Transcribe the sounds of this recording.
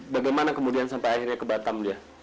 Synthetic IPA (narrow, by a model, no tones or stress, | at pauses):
baɡajmanakəmudiansampajahirɲakəbat̪amdia